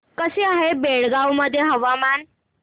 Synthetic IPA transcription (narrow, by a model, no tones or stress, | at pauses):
kəseaɦebeɭɡawməd̪ʱːjeɦəʋaman